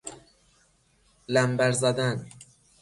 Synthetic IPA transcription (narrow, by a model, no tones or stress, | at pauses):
læmbæɾzæd̪æn